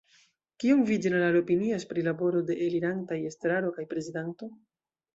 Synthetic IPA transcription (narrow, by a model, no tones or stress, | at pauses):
kiomvidinalalo̞piniaspɾilabo̞ɾo̞de̞ʔeliɾantajestɾaɾo̞kajpɾe̞zidanto̞